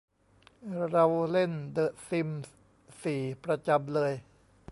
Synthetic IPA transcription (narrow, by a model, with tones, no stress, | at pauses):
ɾa˧wle˥˩ndɤː˨˩t̪̚si˧m | siː˨˩pɾa˧t͡ɕa˧mlɤː˧j